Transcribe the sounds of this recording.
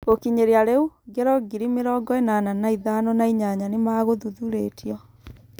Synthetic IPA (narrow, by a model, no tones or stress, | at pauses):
okiɲeɾeaɾeuɡɛɾɔɡiɾimeɾɔːɡɔenananaiðanɔnaiɲaɲanemaɣoðuðuɾetʰiɔ